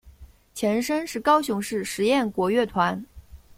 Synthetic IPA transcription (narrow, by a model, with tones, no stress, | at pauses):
t͡ɕʰjɛ˧˥nʂə˥nʂɻ̩˥˩kɑ˥ʊɕʊ˧˥ŋʂɻ̩˥˩ʂɻ̩˧˥jɛ˥˩nkwɔ˧˥ɥɛ˥˩t̪ʰwa˧˥n